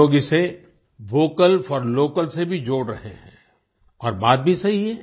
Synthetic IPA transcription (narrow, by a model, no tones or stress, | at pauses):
oːɡise | ʋoːkəlfɔɾloːkəlsebʱid͡ʒoːɽɾɐɦḛɦɛ̰̃ː | ɔːɾbaːd̪̚bʱisɐɦiɦɛː